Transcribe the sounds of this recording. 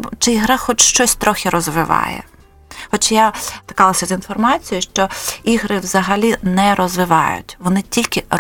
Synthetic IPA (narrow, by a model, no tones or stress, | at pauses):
t͡ʃɪiɦɾaxɔt͡ʃʃt͡ʃɔsʲt̪ɾɔxʲɪɾɔzʋɪʋɑ̰jɛ̰ | xɔt͡ʃjat̪ɪ̥kɑlˠɐsʲɐzinfɔrmɑt͡sʲijʊʃt͡ʃɔiɦɾɪʋzɐɦɐlʲinɛɾɔzʋɪʋɑ̰jʊ̰tʲʋɔnɪtʲilʲkʲɪ